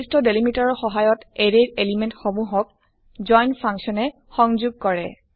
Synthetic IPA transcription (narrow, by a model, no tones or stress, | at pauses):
stɔdelimitaɹɔxɔɦajɔteɹeɹelimentxɔmuɦɔk̚ | d͡ʒɔjnpʰaŋksiɔnɛ | xɔŋzuɡ̚kɔɹɛ̰